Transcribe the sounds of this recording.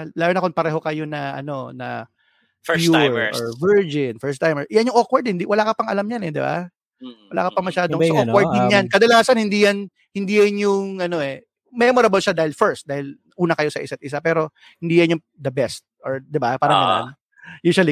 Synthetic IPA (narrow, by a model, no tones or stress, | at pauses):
laːjonɐkonpɐɾɛːɦo̞kɐjonɐʔɐ̰no̞nɐ̰ | fjuɹɔ̰ɹvɛɹd͡ʒɪnfɛɹst̪ajmɛʔɪjanjoŋokwɐɹd̪hɪnd̪iwɐlaːkɐpɐŋɐ̰lamɲanɛd̪ɪba̰ | wɐla̰ːkɐpɐŋmɐʃaːd̪osʔwɐɹd̪ɪnɲankɐd̪ɐlaːsɐnhɪnd̪iːjan | hɪnd̪iːjɐnjʊŋɐno̞ʔɛ | mɛmoɾɐbɐlʃad̪aːhɪlfɛɹst̪̚d̪aːhɪl | ʔuːnɐkɐjo̞sɐʔɪsɐt̪ʔɪsapɛːɾo̞ | hɪnd̪iːjɐnjʊŋ | d̪ɐbɛst̪̚ʔoɹd̪ɪbapaːɾɐŋɡɐn̰a̰n | juʃɐli